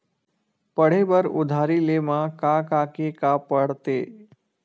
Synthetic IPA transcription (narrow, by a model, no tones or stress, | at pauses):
pəɽ̤ebəɾʊ̰d̪ʱaːɾilemãkakakekapəɽt̪eː